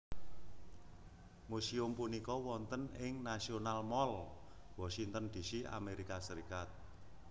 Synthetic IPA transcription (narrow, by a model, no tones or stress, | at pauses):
musiʊmpunikɔwɔnt̪ənɪŋnasionalmɔl | wɔsiŋt̪ənd̪̥i̤sia̰meɾikasəɾikat̪̚